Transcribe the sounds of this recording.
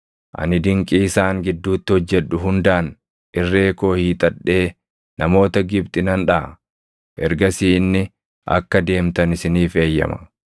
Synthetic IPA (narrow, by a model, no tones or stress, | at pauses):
ʔɐ̰nɪd̪ɪŋkʼiːsaːŋɡɪd̪ːuːt̪ːɪhɔd͡ʒːɛᶑːʊɦʊnd̪aːn | ʔɪrːe̞ːko̞ːhiːt̪ʼɐᶑːe̞ː | nɐmo̞ːt̪ɐɡɪbt̪ʼɪnɐnᶑɐ | ʔɛɾɡɐsiːnːɪ | ʔɐ̰kːɐd̪e̞ːmt̪ɐnɪsɪniːfe̞ːjːɐ̰mɐ̥̰